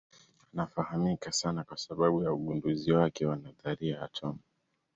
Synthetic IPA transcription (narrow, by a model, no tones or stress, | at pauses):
anafahamikasanakwasaɓaɓujauɠunduziwakɛwanaðaɾiaat͡ʃɔma